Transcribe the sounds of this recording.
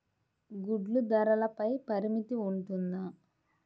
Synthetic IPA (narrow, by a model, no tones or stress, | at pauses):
ɡuɖlud̪ɐɾɐlɐpɐjpɐɾimit̪iuɳʈund̪a